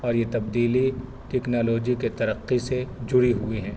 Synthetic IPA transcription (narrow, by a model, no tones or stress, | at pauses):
ɔːɾjet̪ɐb̚d̪iːli | ʈɛːknaːloːd͡ʒiket̪ɐɾəqːised͡ʒʊɾiɦuiɦɛ̃ː